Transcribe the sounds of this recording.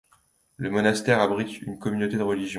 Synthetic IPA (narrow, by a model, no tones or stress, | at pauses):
ləmɔnast̪ɛʁabʁit̪ynkɔmynot̪ed̪əʁəliʒjɔ̃